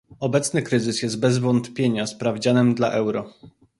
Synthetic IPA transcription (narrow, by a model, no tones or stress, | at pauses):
ɔbɛt̪snɘkɾɘzɘsjɛst̪̚bɛzvɔnt̪pʲjeɲaspɾavd͡ʑanɘmd̪laʔɛwɾɔ